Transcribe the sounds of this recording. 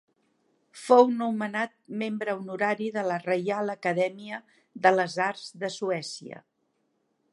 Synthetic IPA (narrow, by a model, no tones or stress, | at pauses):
fownumənat̪̚membɾəunuɾaɾiðələrəjaləkəðɛmiə | ðələzaɾzðəsuɛsiə̰